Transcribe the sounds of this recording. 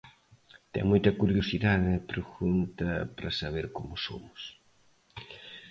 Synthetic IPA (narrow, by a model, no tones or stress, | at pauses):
t̪ɛ̰ŋmojt̪ɐkuɾjosiðaðɪpɾoxunt̪ɐpɾɐsaβ̞eɾkomʊso̰mʊs